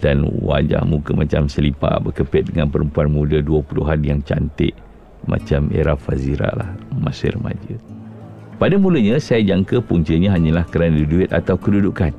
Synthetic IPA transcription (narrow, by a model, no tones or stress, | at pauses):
danwa̰d͡ʒa̰hmukəmat͡ʃamsəlipa̰ʔbəkəpɪt̪̚dəŋanpəɾəmpuanmudəduəpuluɦanjaŋt͡ʃa̰nt̪ɪ̰ʔ | mʔa̰t͡ʃamḛɾafaziɾa̰ʔla̰həmasə̰rəma̰d͡ʒə | padamuləɲãsajad͡ʒaŋkəpuŋt͡ʃiəɲaɦaɲəlahkəɾanədiduɪt̪̚a̰t̪awkədudukan